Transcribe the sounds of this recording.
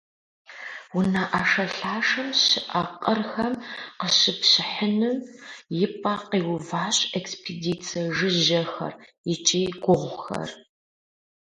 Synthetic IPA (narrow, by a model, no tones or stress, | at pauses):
wʊnaʔaʂɐɬaːʂɨmɕɪʔaqʼərxɐmqəɕɪpɕɪħənɨmjɪpʼaqiːwʊvaːɕʼekspʰediːt͡sʰiʐɨʒɐxɐ̰r | ɪt͡ʃʼeːɡʷʊʁʷxɐ̰r